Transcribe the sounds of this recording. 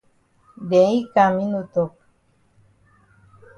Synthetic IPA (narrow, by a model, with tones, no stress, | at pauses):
dẽ˨˦i˦ka˨mĩ˦nu˧t̪o˨k̚